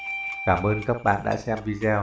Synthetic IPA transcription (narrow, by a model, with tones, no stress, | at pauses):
kaː˧˩mʔəː˧nka˦˥k̚ɓa̰ː˧˨nɗa̰ː˧˥sɛ˧mvi˧zɛ˧